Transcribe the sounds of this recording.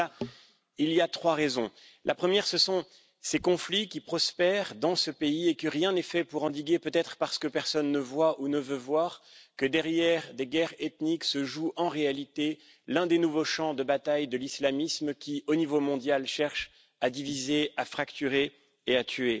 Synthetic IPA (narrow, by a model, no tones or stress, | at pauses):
a | iliat̪χwaʁezɔ̃ | lʔapχəmjɛʁsəsɔ̃ | sekɔ̃flikʲipχɔspɛʁd̪ɑ̃səpeiekəʁjɛ̃nɛfɛpuʁɑ̃d̪iɡepøt̪ɛt̪χəpaʁsə̥kəpɛʁsɔnːəvwaʔunəvøvwaʁkəd̪ɛʁjɛʁd̪eɡʲɛʁet̪niksəʒuʔɑ̃ʁealit̪e | lɛ̃d̪enuvoʃɑ̃d̪əbat̪ajd̪əlislamismkʲionivomɔ̃d̪jalʃɛʁʃ | ad̪ivizeafχakt̪yʁe | eat̪ʰɥe